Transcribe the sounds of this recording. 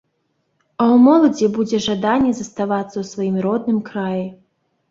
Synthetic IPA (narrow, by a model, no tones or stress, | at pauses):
ɐwmɔlˠɐd͡zʲɛbud͡zʲɛʐad̪anʲːɛzɐst̪avat̪sːɐwsvajimɾɔd̪̚nɨmkɾaji